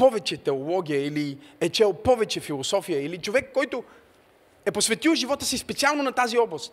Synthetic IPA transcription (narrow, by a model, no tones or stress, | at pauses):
pɔvɛt͡ʃɛt̪ɛolˠɔɡʲijəiliɛt͡ʃɛlˠpɔvɛt͡ʃɛfilˠosɔfijəilit͡ʃovɛkːɔjt̪o | ɛposvɛt̪ilˠʒivɔt̪əsispɛt̪sialˠnonɐt̪aziɔblˠəst̪